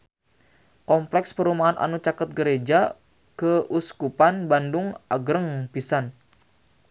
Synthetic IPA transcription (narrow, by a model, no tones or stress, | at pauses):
kɔmplɛkspəɾumaɦanʔa̰nut͡ʃakət̪̚ɡəɾed͡ʒa | kəʔuskupanbandʊŋaɡɾəŋpisan